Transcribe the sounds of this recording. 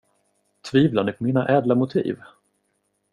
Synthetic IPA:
t̪ʰviːvlanɛpʰɔmiːnaʔɛːd̪lamʊt̪ʰḭːv

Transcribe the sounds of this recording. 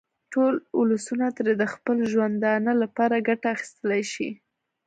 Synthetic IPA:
ʈolʊlusunat̪əɾed̪əxpəlʒwand̪ɑnalapɑɾaɡaʈaːxi̥st̪əlajʃi

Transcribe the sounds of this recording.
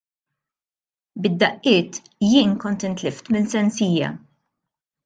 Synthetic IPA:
bɪd̪ːɐʔːɪːt̪ | jɪːnkɔnt̪ɪnt̪lɪft̪mɪnsɛnsiːjɐ̰

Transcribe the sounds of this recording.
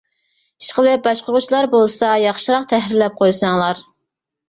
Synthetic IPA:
i̥ʃqəlˠɨbɑʃqʊɾʁʊt͡ʃlˠɑɾbolˠsɑjɑχʃɨɾɑqt̪ʰɛhɾɪɾlɛp̚qʰojsɑŋlˠɑɾ

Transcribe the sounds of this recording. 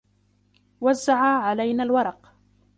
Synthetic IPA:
wazːaʕaːʕalajnaːlwɑɾˤɑq

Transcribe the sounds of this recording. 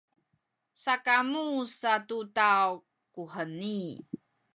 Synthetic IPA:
sakamusatutaw | kuħəni

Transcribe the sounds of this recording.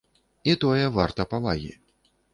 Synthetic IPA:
it̪ɔjɛvart̪ɐpavaɣʲḭ

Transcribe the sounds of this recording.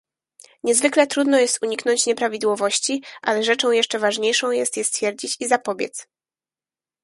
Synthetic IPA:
ɲɛzvɘklɛt̪ɾud̪nɔjɛst̪uɲiknɔɲt͡ɕɲɛpɾavʲid̪wɔvɔɕt͡ɕiʔalɛʐɛt͡ʂɔ̃w̃jɛʂt͡ʂɛvaʐɲejʂɔ̃w̃jɛst̪jɛst̪fʲjɛɾd͡ʑit͡ɕizapɔbʲjɛ̰t̪s

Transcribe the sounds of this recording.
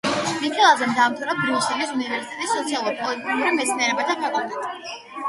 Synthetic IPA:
nikʰɛlˠazɛmd̪amt̪ʰɾabɾiusɛlisunivɛɾsit̪ɛt̪ʼisːɔt̪sʰialˠuɾipʼɔlit̪ʼikuɾimɛt̪smiɛɾɛbat̪ʰapʰɛkʼut̪ɛ

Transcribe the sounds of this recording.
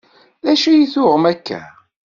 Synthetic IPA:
ðæʃijiθʊʁmækːæ̰

